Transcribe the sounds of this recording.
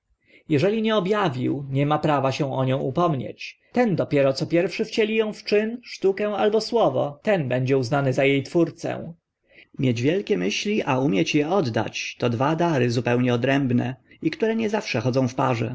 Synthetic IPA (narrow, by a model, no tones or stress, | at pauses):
jɛʐɛlʲiɲɛɔbjavʲiwɲɛmapɾavaɕɛ̃w̃ɔɲɔ̃w̃ʔupɔmɲḛt͡ɕt̪ɛnd̪ɔpʲjɛɾɔt̪sɔpʲjɛɾfʂɘft͡ɕɛlʲijɔ̃w̃ft͡ʂɘnʂt̪ukɛw̃albɔswɔvɔ̰t̪ɛnbɛɲd͡ʑɛuznanɘzajejt̪fuɾt̪sɛ̰̃w̃ | mʲjed͡ʑvʲjɛlkʲɛmɘɕlʲiʔaumʲjɛt͡ɕjɛɔd̪ːa̰t͡ɕt̪ɔd̪vad̪aɾɘzupɛwɲɛɔd̪ɾɛmbnɛ̰ikt̪uɾɛɲɛzafʂɛxɔd̪zɔ̃w̃fpaʐɛ̰